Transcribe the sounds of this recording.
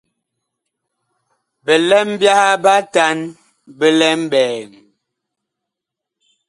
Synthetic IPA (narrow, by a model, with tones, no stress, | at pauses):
bə˨lɛ˦m˦bja˦ha˦ba˦ta˦n | bə˦lɛ˦m˦bɛː˨ŋ